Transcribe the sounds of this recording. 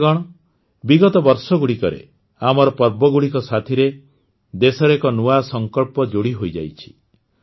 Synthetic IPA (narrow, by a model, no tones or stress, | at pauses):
ɡɔɽ̃ɔ | biɡɔt̪ɔbɔɾsɔɡuɽikɔɾḛ | amɔɾɔpɔɾbɔɡuɽikɔsat̪ʰiɾe | d̪esɔɾekɔnuasɔŋkɔɭpɔd͡ʒoɽiɦojd͡ʒa̰jt͡ʃʰi̥